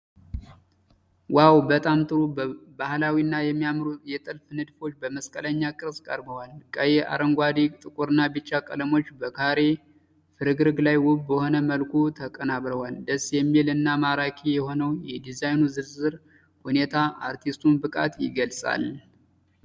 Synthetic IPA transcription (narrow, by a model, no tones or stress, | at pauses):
wawbət̪ʼamt̪ʼɨɾubahlawinːajɛmːijamɾujɛt̪ʼɨlfnɨd̪fo̞t͡ʃːbəməskʼələɲːakʼɨɾskʼə̰ɾbəwalkʼəjeʔa̰ɾəŋɡʷad̪it̪ʼɨkʼuɾɨnːabɨt͡ʃːakʼələmot͡ʃːbəkʰaɾe̞ | fɨɾɨɡɾɨɡlajwʊbbəho̞nəməlkʰut̪ʰəkʼənaβɾəwald̪əsjɛmːilɨnːamaɾakʰijɛho̞nəwjɛd̪izajnuzɨɾzɨɾ | hune̞t̪ʰaʔa̰ɾt̪ʰist̪ʰunbɨkʼa̰t̪jɪɡəlsʼa̰l